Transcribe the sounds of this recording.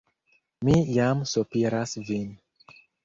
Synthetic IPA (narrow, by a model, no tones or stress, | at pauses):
mijamsopiɾasvin